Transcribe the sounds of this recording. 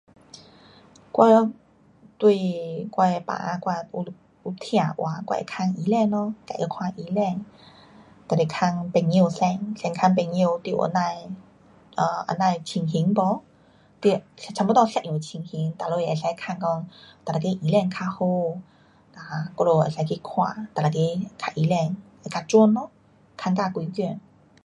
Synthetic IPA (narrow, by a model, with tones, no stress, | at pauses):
kwa˧lɔ˧ | t̪wi˥˧kwa˧e˧pa̰˨˦˧kwa˧u˧ | u˧t̪ʰj̃ã˧˩ʔwʔa˨˦kwa̰˧ʔḛ˧˨kʰa˧ŋi˧˦lɛ˥˧nlɔ˧ka˨˩˨ʔə˧˦kʰwã˧ʔi˧˦lɛ˥˧ŋ | t̪a˨˩ɾe˨˩kʰa˧ŋpɛ˧˩i˧˨sɛ˧ŋsɛ˧ŋkʰa˧ŋp̬e˧ŋi˧t̪i˧˨ʔə̰˧˦na˧j | ʔə˧˩ʔə̰˧˦nã˧jt͡ɕʰi˧ŋɦi˧˦ŋbɔ˧˦ | t̪i˧t͡ɕʰa˧mpɔ˧˦t̪ɔ˥˧sɛ˧˨u˨˩t͡ɕʰi˧˩ŋhi˨˦ŋt̪a˨lo˧˨ja˨˩sa˧kʰa˥˧ŋkɔ˧ŋt̪a˨˩la˨˩ke˧ʔi˧˦lɛ˧ŋkʰa˧ho˧ | t̪a˨˩kɔ˧lo˧˩ʔa̰˨˩sa˧˦kʰi˧kʰwã̰˧˩t̪a˨˩la˨˩ke˧kʰa˧˩ʔi˧˦lɛ˥˧ŋ | a˧˨kʰa˧t͡ɕwɔ˧nlɔ˧˦ | kʰa˧ŋka˧˨kwi˧˦kjɛ˧˩˨n